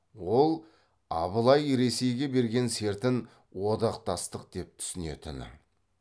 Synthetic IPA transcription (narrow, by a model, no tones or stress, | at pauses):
wo̞lˠ | ɑbəlˠɑjɾe̞se̞jɡʲe̞be̞ɾɡʲe̞nse̞ɾt̪ɪn | wo̞d̪ɑqt̪ɑst̪əq̚d̪̥e̞p̚t̪ʰʏ̥sɪne̞̰t̪ɪ̰n